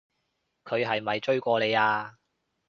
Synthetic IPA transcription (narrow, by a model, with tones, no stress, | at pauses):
kʰɵ˨˧ɥɦɐ˨jmɐ˨jt͡ʃɵ˥ɥkʷɔː˧le˨˧jaː˧